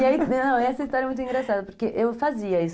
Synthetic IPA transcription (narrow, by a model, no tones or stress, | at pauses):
iainnɐ̃w̃ɛsɐist̪ɔɾjɐmũj̃t̪ĩŋɡɾasad̪ɐpoɾkeʔewfaziɐis